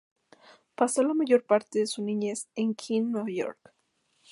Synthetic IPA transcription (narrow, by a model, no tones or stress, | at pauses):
paso̞lamaʝo̞ɾpaɾt̪eðesunĩɲeseŋkʰinːeβajo̞̰ɾk